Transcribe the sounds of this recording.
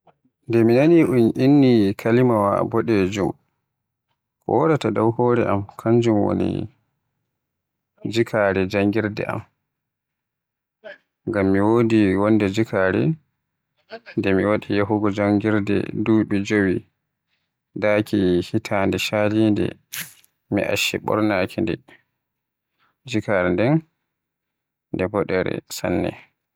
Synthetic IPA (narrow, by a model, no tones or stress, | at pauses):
ndɛminaniʔunʔinːikʰalimawa̰bɔɗɛd͡ʒum | kɔ̰wɔdatadawhɔɾɛʔamkʰaɲd͡ʒumwo̰nḭ | d͡ʒikʰaɾɛd͡ʒaŋɡiɾdɛ̰ʔa̰m | ŋɡamːiwodiwɔndɛd͡ʒikaɾɛ̰ | ndɛmiwaɗijaɦuɡɔd͡ʒaŋɡiɾdɛ̰duːɓid͡ʒowi | dakʰihitʰandɛʃalindɛ̰ | mḭʔa̰ʃːɛ̰ɓɔ̰ɾnaːkʰindɛ̰ | d͡ʒikaɾɛndɛn | ndɛbɔɗɛɾɛ̰sa̰nːɛ̰